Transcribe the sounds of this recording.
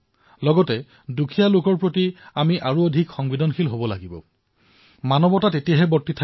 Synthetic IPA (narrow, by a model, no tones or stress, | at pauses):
lɔɡɔtɛ | dukʰijalokɔɹpɹotiamiʔaɹuodʱikxɔŋbidɔnxʰilɦobɔla̰ɡibɔ̰ | manɔbɔtatetijaɦɛbɔɹtːitʰa